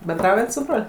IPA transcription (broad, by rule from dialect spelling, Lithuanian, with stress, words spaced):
bʲɛnˈdrɐʊjɛt sʊ ˈbroːlʲ